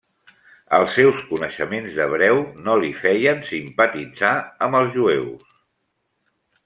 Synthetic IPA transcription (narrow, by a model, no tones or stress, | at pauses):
ə̰lˠsːɛwskunəʃəmenzðəβ̞ɾɛwnolifɛjənsimpət̪id͡zaəməlˠzʒuɛws